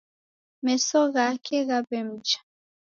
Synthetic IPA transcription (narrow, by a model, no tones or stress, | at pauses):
mɛsɔɣakʰɛɣabɛm̩d͡ʒḁ